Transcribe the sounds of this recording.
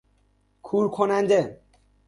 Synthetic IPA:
kʰuɾkʰonand͡ʑe

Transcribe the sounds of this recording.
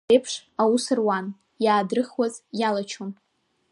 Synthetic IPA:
ejpʰʂawusɨrwan | jaːdrɨχwazjalat͡ʃʰon

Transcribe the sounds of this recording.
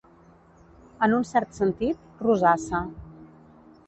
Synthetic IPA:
ənunsɛɾt̪sənt̪it̪ | ruzasə

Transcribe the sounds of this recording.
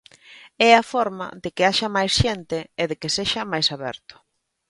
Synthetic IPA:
ɛafɔɾmɐ̰ðekɪaʃɐmajsʃent̪ɪːðekɪseʃɐmajsaβɛ̰ɾt̪ʊ̥

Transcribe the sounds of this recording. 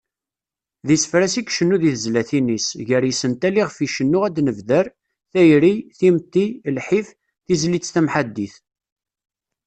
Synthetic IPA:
ðisəfɾæsikʃənːuðiθzlæθinisʝəɾjisənt̪æliʁfiʃənːʊʁæd̪nəvðəɾ | θæjɾiθimt̪ːilħif | θizlit͡sːθæmħad̪ːiθ

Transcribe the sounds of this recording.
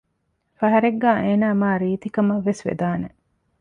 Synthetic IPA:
fɐɦɐɾeɡːaːʔeːnaːmaːɾiːt̪ikɐmɐʋːesʋḛd̪aːne

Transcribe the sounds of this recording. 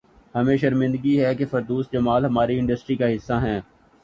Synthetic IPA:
hɐmẽʃɐɾmɪ̃nd̪əɡiɦɛkefɐɾd̪uːsd͡ʒɐmaːlɦɐmaːɾiɪ̃ɳɖəsʈɾikaɦɪsːaɦɛ̃ː

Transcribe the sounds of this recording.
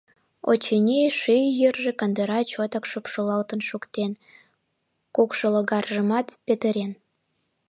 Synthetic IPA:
o̰t͡ɕenʲeʃyjjərʒĕkənd̪əɾɑt͡ɕot̪əkʃupʃolɑlt̪ənʃukt̪en | kukʃoloɣɑrʒəmɑt̪pet̪əɾen

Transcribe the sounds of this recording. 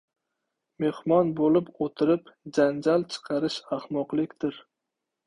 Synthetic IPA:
mehmɒnbolɪpot̪ʰɪɾɪpd͡ʒand͡ʒalˠt͡ʃʰɨ̥qʰɑɾɪʃahmɒqlˠɪkʲd̪̥ɪɾ

